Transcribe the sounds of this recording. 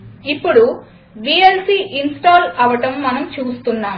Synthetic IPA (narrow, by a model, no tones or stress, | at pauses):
ipːuɽu | bielsiːʔinsʈoːlɐʋɐʈɐmːɐnɐmt͡ʃuːst̪unːaːm